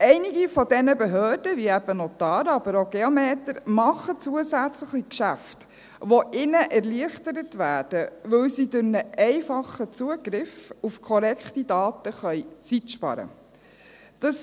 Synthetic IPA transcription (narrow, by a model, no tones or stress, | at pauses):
ɛɪnɪɡifɔdɛnəbɛɦøːrd̥əviɛb̥ənotɑːɾɑbəɾoɡeomeːtəɾmɑχət͡suəsæt͡sləχikʃæft | ʋoʔɪnəʔɛɾliəχtəɾətʋæːd̥əʋɵwsid̥ʉɾnəʔɛɪfɑχət͡suəɡ̥ɾɪfufkʰɔɾɛkχtidɑːtəχœʏt͡sitʃpɑ̰ɾə̰ | d̥ɑs